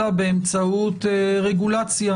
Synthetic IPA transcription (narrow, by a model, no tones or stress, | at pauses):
abeemt͡saut̪ʁeɡulat͡sja